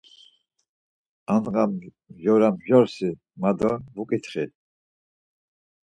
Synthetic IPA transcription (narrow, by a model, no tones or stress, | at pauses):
anʁam | ʒɔɾamʒɔɾsi | mad̪ɔvukʼit̪ʰχi